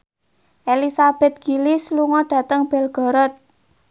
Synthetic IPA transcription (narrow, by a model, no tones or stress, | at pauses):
ʔelisab̥ɛ̤t̪̚ɡ̥ilɪsluŋɔɖ̥ä̤t̪əŋb̥ɛ̤lɡ̥ɔ̤ɾɔt̪̚